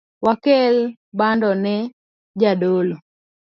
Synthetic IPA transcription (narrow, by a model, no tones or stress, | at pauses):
wakɛl | bandɔnɛ | d͡ʒadolo